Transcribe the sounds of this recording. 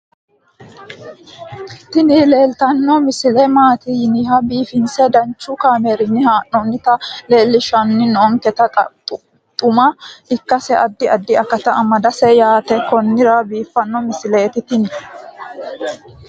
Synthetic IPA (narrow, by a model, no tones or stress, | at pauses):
t̪ɪnɪle̞ːlt̪ɐnːɔmɪsɪlɛmaːt̪inɪɦɐbiːfɪnsɛd̪ɐnt͡ʃːʊkaːmɛɾɪnːɪhaːʔɔnːɪt̪ɐle̞ːlːɪʃɐnːɪnɔːŋkɛt̪ɐ | t̪ʼʊmɐɪkːɐsɛʔɐd̪ːɪɐd̪ːɪɐkːɐt̪ɐʔɐmɐd̪ɐsɛjaːt̪ɛkɔnːɪɾɐbiːfːɐnːɔmɪsɪleːt̪ɪt̪ɪnɪ